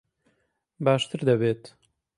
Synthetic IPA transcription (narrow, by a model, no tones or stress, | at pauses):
baːʃt̪ɨɾd̪ɐβeːt̪